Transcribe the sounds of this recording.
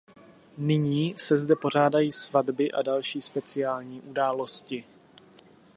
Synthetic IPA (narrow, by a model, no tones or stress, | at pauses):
nɪɲiːsɛzdɛpo̞r̝aːdajiːsvadbɪʔadalʃiːspɛt͡sɪaːlɲiːʔudaːlo̞scɪ